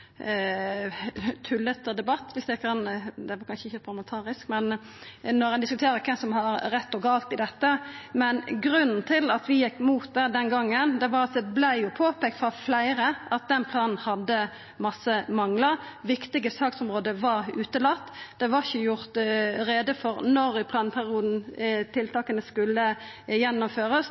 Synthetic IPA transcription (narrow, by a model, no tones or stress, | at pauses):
t̪ʰʉlːɛt̪ːəd̪ɛbɑt̪ːʋɪsd̪æɪkɑnd̪ɛʋɑkɑnʃəɪçːəpʰɑlmənt̪ʰɑːɾɪskmɛn | nɔʁɛnd̪ɪskʉt̪ʰeːɾəɾkʰɛmsɔmhɑɾɾɛt̪ːɔɡɑːlt̪ɪd̪ɛt̪ːəmɛnɡɾʉnːn̩t̪ʰɪlɑt̪ʋɪjɪkːmuːt̪̚d̪æd̪ɛnɡɑŋːənd̪ɛʋɑɾɑt̪d̪ɛblæɪjʊpʰoːpɛːk̚t̪fʁɑflæɪɾəʔɑt̪̚d̪ɛnpʰlɑːnn̩hɑd̪ːə | mɑsːəmɑŋləʁʋɪkt̪ɪɡəsɑːksɔmʁoːd̪əʋɑʁʉːt̪əlɑt̪ːd̪̥ɛʋɑʁɪçəjʊʁt̪ɾeːd̪əfɔɾnɔɾɪpʰlɑːnpʰæʁɪuːd̪n̩t̪ʰɪlt̪ʰɑːkənəskʉlːə | jɛnːɔmføːɾəs